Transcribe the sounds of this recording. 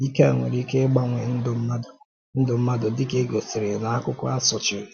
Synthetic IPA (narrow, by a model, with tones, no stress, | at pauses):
i˦ke˦a̰˨ŋʷḛ˨ɾi˦ke˦ɡ͡ba˦ŋʷe˨n̩˦dʊ˦m̩˦ma˦dʊ˨ | n̩˦dʊ˨m̩˦ma˦dʊ˨dɪ˦ke˦ɡo˨si˨ɾe˨na˨a˦kʷʊ˦kʊ˦a˦sʊ˨t͡ʃɪ˨ɾ